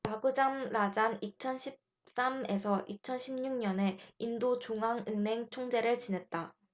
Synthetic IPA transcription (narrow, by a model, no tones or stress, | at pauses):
taɡud͡ʑamɾad͡ʑanit͡ɕʰʌnɕʰip̚ | s͈ame̞sʰʌʔit͡ɕʰʌnɕʰimɲuŋɲʌne̞indot͡ɕoŋɦaŋɯnɦe̞ŋt͡ɕʰoŋd͡ʑe̞ɾɯɭt͡ɕinɦe̞t̚t͈a